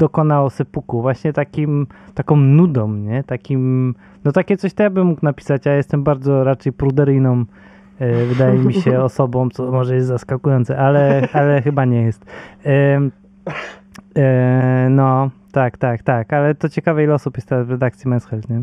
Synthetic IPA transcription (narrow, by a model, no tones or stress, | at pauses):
d̪̥ɔkɔnawɔsɛpukuvwaɕɲɛt̪akʲimt̪akɔ̃w̃nud̪ɔ̃mɲɛt̪akʲim | nɔt̪akʲɛt̪sɔɕt̪ɔjabɘmːukwnapʲi̥sat͡ɕjajɛst̪ɛmbaɾd̪zɔɾat͡ʂɛjpɾud̪ɛɾɘjnɔ̃m | vɘd̪ajɛmʲiɕɛɔsɔbɔ̃mt̪sɔmɔʐɛjɛst̪zaskakujɔnt̪sɛʔalɛalɛxɘbaɲɛjɛst̪ | nɔt̪akt̪akt̪akalɛt̪ɔt͡ɕɛkavɛilɛɔsupjɛst̪ɛɾazvɾɛd̪akt̪sʲjimɛnsxɛlt̪ɲɛ